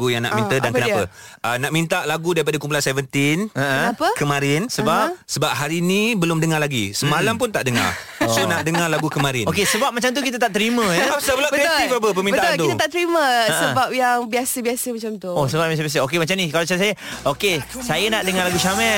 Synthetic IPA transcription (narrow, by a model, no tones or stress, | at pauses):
ujaŋna̰ʔmĩnədankkənapə̰ʔənaʔmĩnt̪aʔlaɡudaɾipadakump̬ulansɛvənt̪inəə̃napəkəmãɾɪnsəbapsəbap̚ɦaɾinĩbəlʊmdəŋarlaɡḭsəmalamp̬ʊnt̪aʔdəŋa̰r | sonaʔdəŋarlaɡukəmaɾɪnokesəbap̚mat͡ʃamt̪ukit̪̬ət̪aʔt̪əɾimə̃bsabəlabəkit̪ifapəpəminbət̪alt̪uit̪ət̪aʔt̪əɾiməasəbap̚jaŋbiasəbiasəmat͡ʃamt̪uosəbap̚bias̬əbias̬əokemat͡ʃamnikalat͡ʃams̬ajəʔokesajənaʔdəŋarlaɡuʃamɛ